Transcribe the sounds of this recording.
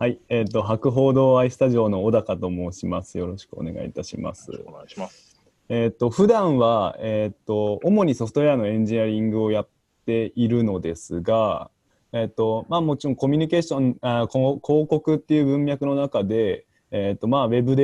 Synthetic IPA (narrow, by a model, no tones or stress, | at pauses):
haie̞ːt̪ːo̞ɦakɯ̟ɦo̞ːd̪o̞ːaisɨ̥t̪aʑio̞ːno̞ːd̪akat̪o̞mo̞ɕimasɨjo̞ɾo̞ɕi̥kɯ̟o̰ne̞̰ɡa̰ḭt̪aɕima̰sɨ̰ | eːt̪ːo̞ɸɯ̟d̪ãɰ̃βaeːt̪ːo̞omo̞ɲ̟iso̞ɸt̪o̞eano̞ẽ̞ɲ̟d͡ʑiaɾʲĩŋɡɯ̟o̞jat̪ːe̞iɾɯ̟no̞d̪e̞sɨɡa | et̪ːo̞maːmo̞t͡ɕiɾoŋko̞mʲiɲ̟ike̞ːɕõ̞naokkʰo̞ːko̞kɯ̟t̪ːe̞jɯ̟ːbɯ̟̃mbʲjakɯ̟no̞nakad̪e̞ː | t̪ːo̞maːβe̞bɯ̟d̪e